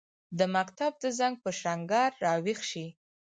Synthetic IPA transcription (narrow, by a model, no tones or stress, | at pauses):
d̪əmakt̪ab̚d̪əzaŋɡ̚pəʃaŋɡɑɾːɑwixʃi